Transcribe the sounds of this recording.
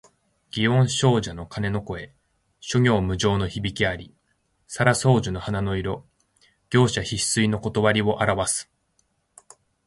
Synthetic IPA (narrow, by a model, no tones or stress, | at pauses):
ɡ̥ʲiõ̞ɰ̃ɕo̞ːʑano̞kane̞no̞ko̞e̞ | ɕo̞ŋʲo̞ːmɯ̟ʑo̞ːno̞çibʲikʲiaɾʲi | saɾaso̞ːʑɨno̞hanano̞iɾo̞ | ɡ̥ʲo̞ːɕaçi̥sɨino̞ko̞t̪o̞βaɾʲiβo̞ʔaɾaβasɨ̥